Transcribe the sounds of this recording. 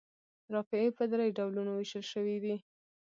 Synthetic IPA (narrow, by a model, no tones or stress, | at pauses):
ɾɑfɪepəd̪ɾəjɖawlunowɪʃəlʃəwid̪i